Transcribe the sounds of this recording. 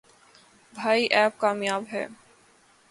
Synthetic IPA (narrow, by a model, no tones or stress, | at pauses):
bʱaːiʔɛːp̚kaːmjaːbɦɛ̰ː